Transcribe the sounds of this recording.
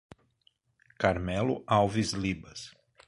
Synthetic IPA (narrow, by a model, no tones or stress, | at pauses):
kaɾmɛlʊawvizlibɐs